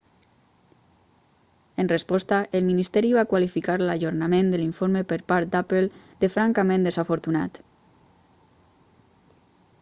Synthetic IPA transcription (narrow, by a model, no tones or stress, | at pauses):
ənrespɔst̪aʔelminist̪ɛɾiβakwalifikaɾlaʒoɾnamẽnd̪əliɱfoɾmepəɾpaɾt̪̚d̪apel | d̪efɾaŋkamẽnd̪ezafoɾt̪una̰t̪